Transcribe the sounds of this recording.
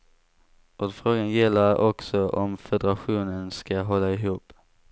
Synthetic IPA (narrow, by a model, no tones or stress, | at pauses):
ɔd̪fɾoːɡanjɛlːaɾɔksɔʔɔmfɛd̪əɾaɧuːnənskaɦɔlːaɪɦuːp